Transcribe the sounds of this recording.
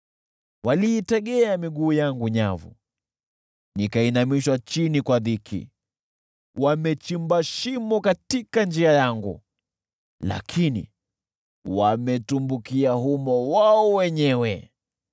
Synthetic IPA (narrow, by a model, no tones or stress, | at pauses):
waliːtɛɠɛamiɠuːjaŋɡuɲavṵ | nikainamiʃwat͡ʃinikwaðikʰḭ | wamɛt͡ʃimbaʃimɔkatikand͡ʒiajaŋɡṵ | la̰kʰinḭ | wamɛtumbukiahumɔwaɔwɛɲɛwɛ